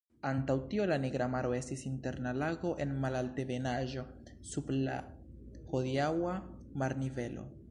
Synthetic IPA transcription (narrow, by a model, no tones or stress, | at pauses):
antawtio̞laneɡɾamaɾo̞e̞stisinte̞ɾnalaɡo̞ʔe̞nmalalte̞ve̞naʒo̞ | subla̰ | ho̞diawa | maɾnive̞lo̰